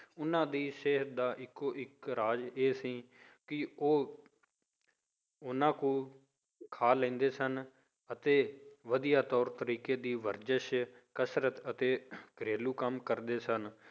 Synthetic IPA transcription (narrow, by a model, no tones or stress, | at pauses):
ʊnãːd̪iːseːɦət̪̚d̪aːʔɪkːoːʔɪkɾaːd͡ʒeːsĩː | kɪoː | ʊnãːkũː | kʰaːlɛ̃ːnd̪eːsən | ət̪eːʋəd̪ijaːt̪ɔːɾt̪əɾiːkeːd̪iːʋəɾd͡ʒəʃ | kəsɾət̪ət̪eːkəɾeːluːkəmkəɾd̪eːsən